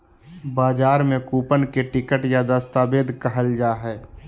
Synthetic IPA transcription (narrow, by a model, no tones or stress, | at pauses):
baːd͡ʒaːɾmẽkuːpənkeʈɪkəʈjad̪əst̪aːbeːd̪ʱkəɦəld͡ʒaːɦɛː